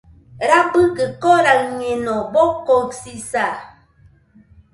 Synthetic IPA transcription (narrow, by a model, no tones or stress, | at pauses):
ɾabɨkəkɔɾak̚ɲenɔbɔkɔksisa